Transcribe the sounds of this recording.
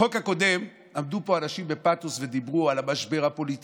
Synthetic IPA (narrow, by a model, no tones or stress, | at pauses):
o̞khako̞d̪e̞m | amd̪upo̞anaʃimbe̞pat̪usve̞d̪ibʁualamaʃbe̞ʁhapo̞lit̪